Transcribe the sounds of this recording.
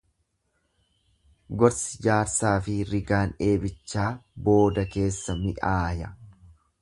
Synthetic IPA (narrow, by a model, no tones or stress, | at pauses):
ɡɔɾsɪ̥d͡ʒaːɾsaːfɪɾɪɡaːne̞ːbɪt͡ʃːaːbo̞ːd̪ɐke̞ːsːɐmɪʔaːjɐ